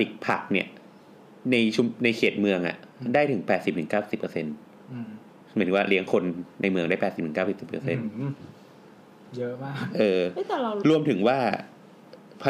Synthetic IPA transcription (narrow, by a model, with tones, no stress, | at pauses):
i˨˩k̚pʰa˨˩k̚ni˥˩ə | na˧jt͡ɕʰu˧na˧jkʰeː˨˩t̪̚mɯ˧əŋʔa̰˨˩ʔ | daː˥˩jt̪ʰɯ˩˦ŋpɛː˨˩t̪̚si˨˩p̚t̪ʰɯ˩˦ŋkaː˥˩ssi˨˩pːəː˧se˧n | mː˨˦nʰː˩˦waː˥˩li˦əŋkʰo˧nːa˧jmɯ˧əŋdaː˥˩pɛː˨˩i˨˩p̚t̪ʰɯ˩˦kaː˥˩si˨˩psi˨˩pːə̰ː˧se˧nn | jʔɤː˧˥˨ɾu˧əmt̪ʰɯ˩˦ŋwaː˥˩ | pʰa˧